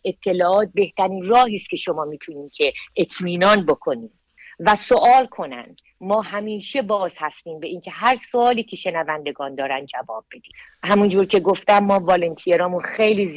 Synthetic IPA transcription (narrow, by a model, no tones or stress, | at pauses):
e̞t̪ʰːe̞lɒːʔɒːt̪̚be̞ht̪æɾiːnrɒːɦiːst̪kcʰe̞ʃo̞mɒːmiːt̪ʰuniːmcʰe̞et̪ʰmiːnɒːnbo̞kʰo̞niːm | væsoʔɒːlkʰo̞næ̰nd̪̥ | mɒːɦæmiːʃe̞bɒːz̥hæst̪iːmbe̞ʔiːncʲʰe̞ɦæɾsoɒːliːcʰe̞ʃe̞nævænd̪e̞ɡɒːnd̪ɒːɾænd̪̚d͡ʒævɒːb̥̚ːe̞d̪iːhæmund͡ʒuːɾcʰe̞ɡoft̪æmːɒːvɒːlent̪ʰieɾɒːmunxejliːz